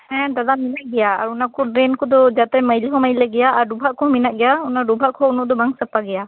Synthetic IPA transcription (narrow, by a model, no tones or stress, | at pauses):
hɛ̃d̪ad̪aminaʔɡɛjaa̰ɾunakɔɾenkɔd̪ɔd͡ʒat̪ɛməjliɦɔməjlɛɡɛjaːɾɖubʱaʔkʰɔminaʔɡɛjaunaɖubʱaʔkʰɔunɔʔd̪ɔbaŋsəpaɡɛja